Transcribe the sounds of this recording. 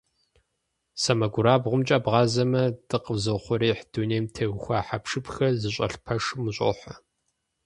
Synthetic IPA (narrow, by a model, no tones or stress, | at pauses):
sɐmɐɡʷʊɾaːbʁʷʊmt͡ʃʼɐːbʁɑːzɐmɐd̥ɨqəvzɨχʷʊɾeːħd̥uneːmtʰeɣʊxʷaːħapʂɨpxɐrzɨɕʼɐ̰ɬpʰɐʂɨmɨɕʼo̰ħʷɐ